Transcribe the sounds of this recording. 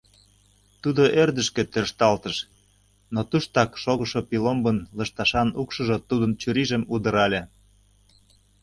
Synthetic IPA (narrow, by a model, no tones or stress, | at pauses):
t̪ud̪oʔerd̪ə̆ʃkĕt̪ørʃt̪ɑlt̪əʃ | not̪uʃt̪ɑkʃoɣə̆ʃopilombənlɤ̆ʃt̪ɑʃɑnukʃɤ̆ʒot̪ud̪ə̆nt͡ɕyɾiʒə̆mud̪ə̆ɾɑlʲĕ